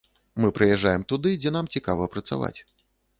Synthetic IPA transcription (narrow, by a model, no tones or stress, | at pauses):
mɨpɾɨjɛʐːajɛmt̪ud̪ɨd͡zʲɛnamt͡sʲikavɐpɾɐt̪sa̰va̰t͡sʲ